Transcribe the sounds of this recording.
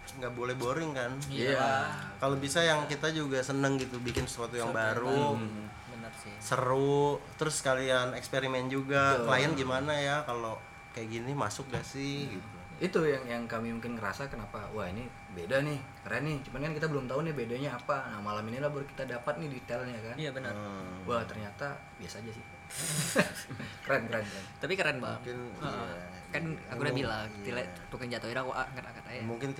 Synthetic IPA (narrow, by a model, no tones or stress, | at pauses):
ŋɡaʔbolɛhboɾɪŋkanakalobisajaŋkit̪ad͡ʒuɡasənəŋɡit̪ubikɪnsə̥suat̪ujaŋbaɾu | bənərsɪsəɾʊt̪əɾʊsːkalianɛkspeɾimɛnd͡ʒuɡakəlajənɡimanajakalo | kajaʔɡinimasʊk̚ɡasɪhɡit̪u | it̪ujaŋjaŋkamimuŋkɪnkəɾa̰sakənapawahini | bedanɪh | kəɾanːɪht͡ʃumankankit̪abəlʊmt̪aunɪbedaɲaːpanamalaminilabərki̥t̪adapat̪̚nɪhdit̪ɛljakanjabənəwaht̪ərɲat̪a | biasaːd͡ʒasɪh | kəɾɛnkəɾankəɾɛnt̪apikəɾɛnbaŋkɪn | kanakudabilaŋila | t̪ukand͡ʒat̪oidakuʔa̰ŋat̪akat̪ajamuŋkɪn